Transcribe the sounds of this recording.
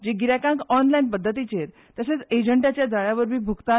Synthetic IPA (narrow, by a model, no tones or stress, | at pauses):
d͡ʑeɡiɾakãŋkɔnlajnpəd̪ʱːət̪it͡ɕeɾ | t̪əset͡sed͡ʑəɳʈat͡ɕjad͡zaɭaʋəɾbʱiːbʱukt̪a